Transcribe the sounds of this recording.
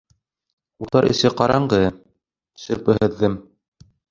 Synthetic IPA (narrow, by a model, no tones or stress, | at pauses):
ut̪ɑɾʔɘ̰̆sɘqɑɾɑɴɢɤ | sɵ̆ɾpɘɦɘ̆ðːɘm